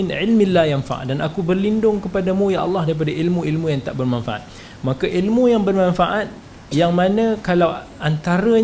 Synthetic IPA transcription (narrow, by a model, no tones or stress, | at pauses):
nʕɪlmilːajanfa̰ʔdanakubərlindʊŋkəpadamũjaʔɑ̰lːɑhdaɾip̬adaʔilmũilmũjaŋt̪aʔbərmanfaʔa̰t̪̚ | makaʔilmujaŋbərmãnfaʔat̪̚ | jaŋmãnə̃kalaw | ant̪aɾə